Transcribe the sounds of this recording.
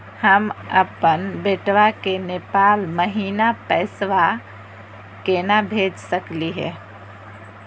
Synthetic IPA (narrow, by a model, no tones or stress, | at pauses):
həməpənbeːʈʋakenepaːlməɦiːnapɛːsʋa | kenabʱeːd͡ʒsəkliɦɛ̰